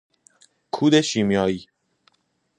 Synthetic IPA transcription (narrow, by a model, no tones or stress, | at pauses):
kʰuːd̪eʃiːmjɒːiː